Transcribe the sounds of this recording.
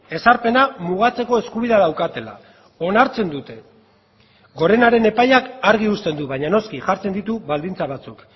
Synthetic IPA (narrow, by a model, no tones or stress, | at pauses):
e̞saɾpe̞namuɣ̞at͡se̞ko̞e̞skuβ̞iðe̞aðawkat̪e̞la̰ | o̞naɾt͡se̞nd̪ut̪e̞ | ɡo̞ɾe̞naɾe̞ne̞pajakaɾɣiust̪e̞nd̪uβajɲano̞skiʝaɾt͡se̞nd̪it̪uβald̪int͡saβ̞at͡suk